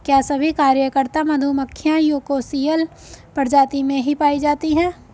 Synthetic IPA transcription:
kjaːsɐbʱikaːɾjəkəɾt̪amɐd̪ʱuməkʰːɪjãjuːkoːsijəl | pəɾd͡ʒaːt̪imẽɦipaːid͡ʒaːt̪iɦɛ̃ː

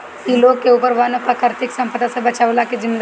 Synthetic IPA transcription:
iloɡ̚keuːpəɾʋaːnəkakəɾt̪ɪksɐ̃mpəd̪asebɐt͡ʃaʋlakid͡ʒɪmːed̪

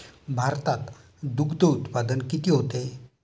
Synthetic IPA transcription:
bʱaɾt̪at̪ | d̪ukʰd̪əut̪pad̪ənkit̪iːɦot̪e

